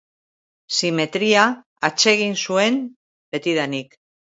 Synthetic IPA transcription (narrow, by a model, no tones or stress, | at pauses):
sime̞t̪ɾiaː | t͡se̞ɣ̞insue̞m | be̞t̪iðanik